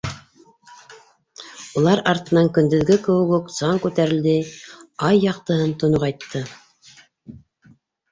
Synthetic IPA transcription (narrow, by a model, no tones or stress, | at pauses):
ulˠɑɾɑɾt̪ɤ̆nɑŋkɵ̆nd̪ɵ̆ðɡɘkɘ̆wɘ̆ɡɵksɑŋkʉt̪æɾɘ̆ld̪ɘɑjːɑqt̪ɤ̆ɦɤnt̪ŏnoqɑjt̪ʰːɤ